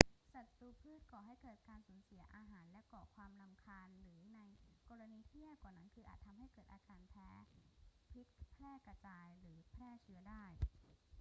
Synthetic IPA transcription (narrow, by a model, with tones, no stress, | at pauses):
sa˨˩t̪ːuː˧pʰɯː˥˩t̪̚kɔː˨˩ɦa˥˩jkɤː˨˩t̪̚kaː˧nsuː˩˦nsi˩˦ɐʔaː˧ɦaː˩˦nlɛ˦˥kɔː˨˩kʰwaː˧mna˧mkʰaː˧nɾɯː˩˦na˧jkɔː˧ɾa˧niː˧t̪ʰi˥˩əp̚kaː˨˩na˦˩˥nkʰɯː˧ʔa̰ː˨˩t̪ʰːa˧mhɦa˥˩jkɤː˨˩t̪̚ʔaː˧kaː˧npʰɛː˦˥pʰi˦˥t̪̚pʰlɛː˥˩kɾa˧t͡ɕaː˧jɾɯː˩˦pʰɾɛː˥˩t͡ɕʰɯ˦˥ɐdaː˥˩j